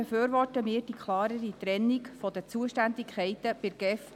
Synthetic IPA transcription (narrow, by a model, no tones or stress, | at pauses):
ɛføːɾʋɔrtəmɪːrd̥ikʰlˠɑːɾəɾit̪ɾɛnːikfɔd̥̪ət͡suəʃtænd̪ɪkʰχɛɪt̪əpɪɾɡ̥ɛf